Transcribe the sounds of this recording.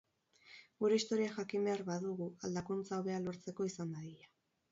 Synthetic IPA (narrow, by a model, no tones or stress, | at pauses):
ɡuɾe̞ist̪o̞ɾiaxakimbe̞aɾβaðuɣuald̪akunt͡saoβe̞alo̞ɾt͡se̞ko̞isand̪aðiʎa